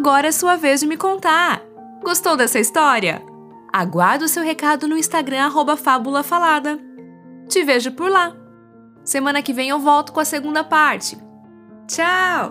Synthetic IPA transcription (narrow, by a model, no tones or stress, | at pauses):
aɡɔɾɐɛsuɐvezd͡ʒɪmɪkõnt̪aɾ | ɡost̪owd̪ɛsɐist̪ɔɾiɐ̰ | aɡwaɾd̪ʊsewɦekad̪ʊnʊĩst̪aɡɾɐ̃aɦobɐfabulɐfalad̪ɐ | t͡ʃɪveʒʊpʊɾla | semɐ̃nɐkɪvẽj̃ewvɔwt̪ʊ̥kõɐseɡũnd̪ɐpaɾt͡ʃɪ̥ | t͡ʃaw